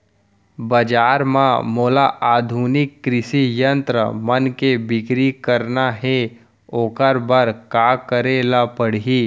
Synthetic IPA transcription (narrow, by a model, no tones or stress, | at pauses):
bɐd͡ʒaːɾmãmoːlaʔaːd̪ʱunɪkːɾɪʃijə̃nt̪ɾə̰mɐnkebɪkɾikəɾnaɦe | oːkəɾbəɾkaːkəɾelapəɽ̤iː